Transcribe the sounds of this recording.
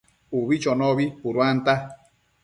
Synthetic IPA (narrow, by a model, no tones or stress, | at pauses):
uβit͡ʃɔnɔβipuɾwant̪a